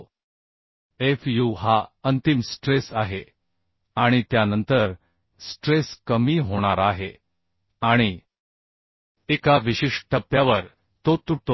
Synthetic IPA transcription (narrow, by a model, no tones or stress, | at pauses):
efjuɦaənt̪imsʈɾesaɦe | aɽ̃it̪janənt̪əɾ | sʈɾeskəmiːɦoɽ̃aɾaɦe | aɽ̃i | ekaʋiɕiʂʈʰəpːjaʋəɾ | t̪ot̪uʈt̪o